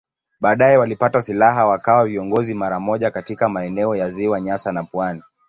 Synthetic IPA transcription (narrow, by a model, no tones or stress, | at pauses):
ɓaːɗajɛwalipatasilaɦawakawaviɔŋɡɔzimaɾamɔʄakatikamaɛnɛɔjaziwaɲasanapwani